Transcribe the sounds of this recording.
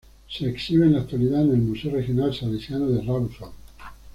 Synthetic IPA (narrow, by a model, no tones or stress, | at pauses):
seːksiβenlakt̪uwaliðanelmuseorexjonalsalesjanoðerawuson